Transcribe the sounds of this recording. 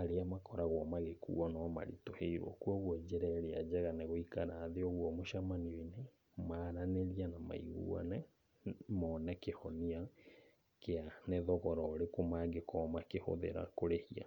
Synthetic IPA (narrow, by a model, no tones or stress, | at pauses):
aɾeamakɔɾaɣwɔmaɣekṵɔnɔma̰ɾḭtoheiɾwɔ̰kuɔɣwɔd͡ʑɛɾɛɾead͡ʑɛɣaneɣoikanaːðeɔɣwɔmoʃamaniine | maːɾaneɾianama̰ḭɣṵɔ̰nɛ | mɔnɛkehɔnia | keaneðɔɣɔɾɔːɾekomaɡekʰɔmakeho̰ðḛɾa̰koɾehia̰